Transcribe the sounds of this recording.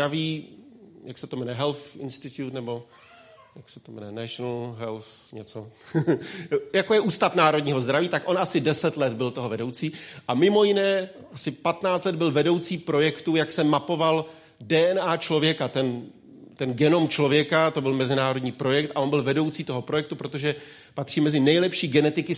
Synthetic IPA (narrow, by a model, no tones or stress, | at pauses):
ɾaviː | jaksɛt̪omɛnɛɦɛlθʔɪ̰nst̪ɪt̪jut̪nɛbo̞ | jaksɛ̥t̪omɛnɛnɛʃonl̩ɦɛlθɲɛt͡so | jakojɛʔuːst̪afnaːɾodɲiːɦo̞zd̪ɾaviːt̪akʔo̞nʔasɪdɛsɛt̪lɛd̪bɪlt̪oɦovɛdo̞wt͡siːʔamɪmo̞jɪnɛː | ʔasɪpat̪naːt͡st̪lɛd̪̚bɪlvɛdo̞wt͡siːpɾo̞jɛkt̪ujaksɛmapo̞val | dɛːʔɛnaːt͡ʃlo̞vjɛkat̪ɛn | t̪ɛnɡɛno̞mt͡ʃlo̞vjɛkat̪o̞bɪlmɛzɪnaːɾo̞dɲiːpɾo̞jɛk̚t̪ʔaʔo̞nbɪlvɛdo̞wt͡siːt̪o̞ɦo̞pɾo̞jɛk̚t̪upɾo̞t̪o̞ʒɛ | pat̪r̝̥iːmɛzɪnɛjlɛpʃiːɡɛnɛt̪ɪkɪ